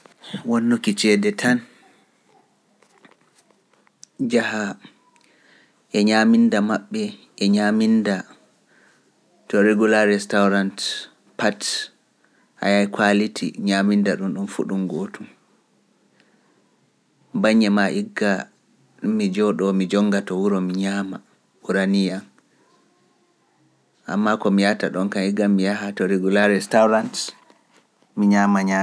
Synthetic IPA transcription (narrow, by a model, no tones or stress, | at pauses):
wonːukit͡ʃɛːdɛtʰan | d͡ʒaha | ʔɛɲamindamaɓːɛ | ɛɲaminda | tːɔɾeɡulaɾɛstawɾant | pat | ʔa̰jajkʰwalitʰḭɲamindaɗumɗumfṵɗumɡotum | baɲːɛmaʔiɡa | mid͡ʒɔɗɔmid͡ʒɔŋɡatɔwuɾɔmiɲaːma | uɾanijan | ʔa̰mːakɔmijataɗɔnkaniɡamːijaɦatɔɾeɡulaɾɛstawɾant | miɲaːmaɲa